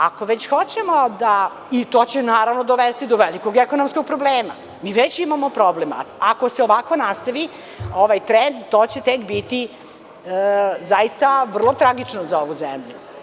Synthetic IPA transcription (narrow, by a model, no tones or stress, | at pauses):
ako̞ʋet͡ɕxot͡ɕemod̪a | it̪oːt͡ɕenaːɾaʋnod̪oʋest̪id̪oʋeliko̞ɡekonomskoɡ̚pɾobleːma̰ | miːʋet͡ɕimamo̞pɾoblema̰ako̞seoʋakʋo̞nast̪aʋi | oʋajt̪ɾend̪t̪oːt͡ɕet̪ekbit̪i | zaist̪aʋr̩lˠo̞t̪ɾaɡit͡ʂnozao̞ʋuzḛmʎu